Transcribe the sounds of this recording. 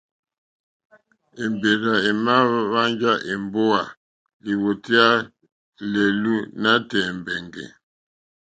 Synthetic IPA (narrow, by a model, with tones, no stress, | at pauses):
e˨mbe˨ɾa˨e˨ma˦βa˦nd͡ʒa˦ʔe˨mbo˦a˨ | li˨wo˨ti˦a˦ | le˨lu˦na˦tɛ˨mbɛ˨ŋɡɛ̰˨